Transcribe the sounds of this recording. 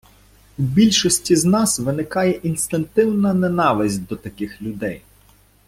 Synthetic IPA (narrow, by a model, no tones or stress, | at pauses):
wbʲilʲʃɔsʲtʲiznɑsʋɪnɪkɑjɛʔinst̪ɪnt̪ɪwnɐnenɑʋɪsʲtʲd̪ɔt̪ɐkɪxlʲʊd̪ɛj